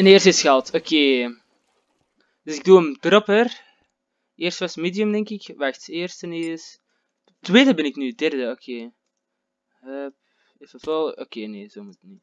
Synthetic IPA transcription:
əneːrstəɪsxalˠtokʰeː | dʏsɪk̚duəmdrɔpər | eːrstʋasmeːdjəmdɛŋkɪkʋaxteːrstəneːs | tːweːdəbɪnɪknyədɛrdəokʰeː | əp̚ | ɪfəfolˠo̰keːneːzoːmutni

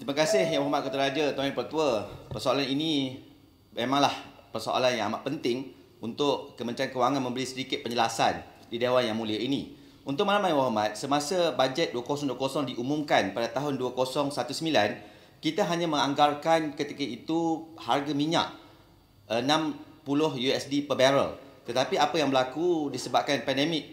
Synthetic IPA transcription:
t̪ɾimakasɪhjawaɦmat̪̚kət̪əɾad͡ʒat̪oĩpərt̪uapərsoalaninĩ | memãŋlahpərso̰ʔa̰lanjãŋamaʔ̚pənt̪ɪŋ | unt̪ʊʔkəmə̃nt͡ʃankəwaŋanmə̃mbəlisədikɪt̪̚pəɲd͡ʒəlasandidewanjaŋmũliainḭ | unt̪ʊʔ̚malamajwaɦamat̪̚səmasabad͡ʒɛt̪̚duakosɔŋduakosɔŋdiʔumũmkanpadat̪aɦʊnduakosɔŋsat̪usəmilan | kit̪aɦaɲãmə̃ŋaŋɡarkankət̪ikait̪uharɡamiɲa̰ʔ̚ | ənãmpulʊhjuɛsdipəbɛɾə̰lt̪ət̪apiapəjaŋbəlakudisəbap̚kanpɛndemɪk̚

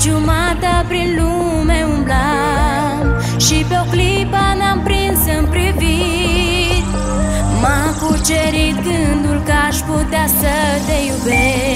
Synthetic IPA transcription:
t͡ʃumat̪apɾinlu | meumbla | ʃipeokli | panampɾinsɨmpɾivi | t̪ | makut͡ʃeɾit̪kɨnd̪ulkaʃput̪easət̪ejube

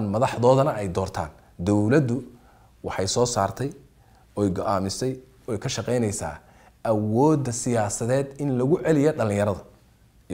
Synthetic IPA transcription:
nmɐðɑħðɔːðɐnɐɛjd̪ɔːrt̪ʰa̰ːn | d̪ɔwlɐd̪ːʊ | wɑħɑjsɔːsaːrt̪ʰɛj | ɔːjɡɔʔaːmɪsɛj | ɔɛjkʰɐʃɑqɛjnɛjsa̰ː | ʔɐwɔːd̪ːɐsɪjaːsɐðɛːd̪ɪnlɐɣʊʕɛlɪjɔɖɐlɪ̃ŋjɐɾɐðɐ

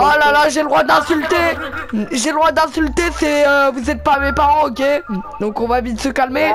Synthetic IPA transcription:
alalaʒeləd̪ʁwad̪ɛ̃sylt̪e | ʒeləd̪ʁwad̪ɛ̃sylt̪esɛøvuzɛt̪̚pamepaʁɑ̃okʲed̪ɔ̃kɔ̃vavit̪əsəkalme

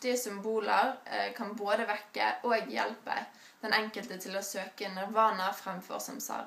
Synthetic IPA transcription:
t̪ɪəsʏmbuːləʁkʰɑnboːd̪əʋɛkːə̰ʔoːɡjɛ̰lpə̰ | d̪̥ɛnɛŋkəlt̪ət̪ʰɪloːsøːkənəʁʋɑːnəfʁɛmfɔ̰ʁsɔ̰msɑ̰ːʁ

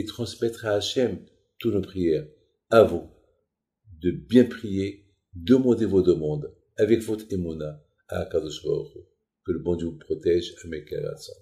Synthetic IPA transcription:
et̪χɑ̃smɛt̪χaːʃɛm | t̪ut̪nopχijɛːʁ | avũ | d̪əbjɛ̃pχije | d̪əmɑ̃d̪evod̪əmɑ̃d̪ | avɛkvot̪emuna | aːkaʁd̪ɔʃʁa̰ʁ | kələbɑ̃d̪jyvupχɔt̪ɛʒamɛkɛ̰ʁa̰sɑ̰̃

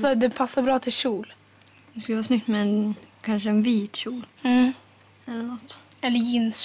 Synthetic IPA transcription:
ɔd̪ɛpʰasːaɾbɾɑːt̪ʰɪlɕuːl | d̪ɛskɵləʋɑːsnʏk̚t̪mɛɛnkʰanʂəɛnviːt̪ʃuːlː | ɛlːəɳɔt̪ːɛlːəjɪns

